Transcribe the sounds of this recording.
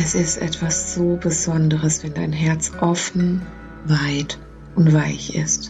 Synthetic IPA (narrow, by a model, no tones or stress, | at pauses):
ʔɛsɪstʔɛ̰tv̥asz̥oːbəzɔndəʁəsv̥ɛndaɪnɦɛɐt͡sʔɔfn̩ | vaɪt | ʔʊntv̥aɪçɪ̰st